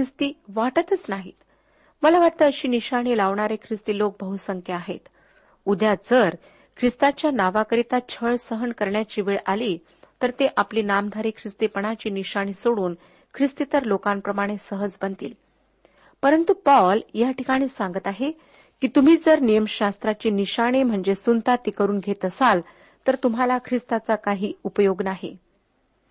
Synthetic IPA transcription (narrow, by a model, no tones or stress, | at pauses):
kɾist̪iːʋaʈət̪ət͡snaɦḭt̪ | məlaʋaʈ̚t̪əːəɕiːniɕaɽ̃ilaʋɳaɾekʰɾist̪iːlok̚bəɦusəŋkʰjəaɦḛt̪ | ud̪ʱjad͡zəɾ | kʰɾist̪at͡ɕjanaʋakəɾit̪at͡ɕʰəɭsəɦənkəɾɳjat͡ɕiːʋeɭʔaliː | t̪əɾt̪eʔapliːnamd̪ʱaɾiːkʰɾist̪ipəɳat͡ɕiːniɕaɽ̃iːsoɽuːn | kʰɾist̪it̪əɾlokampɾəmaɽ̃esəɦəd͡zbənt̪ḭːl | pəɾənt̪upɔljaʈʰikaɽ̃iːsaŋɡət̪aɦe | kiːt̪um̤iːd͡zəɾnijəmɕast̪ɾat͡ɕiːniɕaɽ̃em̤əɳd͡zesunt̪at̪ikəɾuːnɡʱet̪əsal | t̪əɾt̪um̤alakʰɾist̪at͡sakaɦiːupəjoɡnaɦḛ